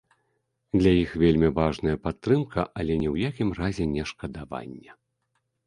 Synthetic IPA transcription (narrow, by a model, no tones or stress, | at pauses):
d̪lʲajixvʲelʲmʲivaʐnɐjɐpat̪ːɾɨmkʰɐʔɐlʲɛnʲɛwjakʲimrazʲɛnʲɛʂkɐd̪ava̰nʲːɛ